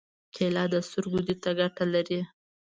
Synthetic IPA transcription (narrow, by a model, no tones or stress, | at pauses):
kʰelɑd̪əst̪ʊɾɡud̪it̪aɡaʈalaɾi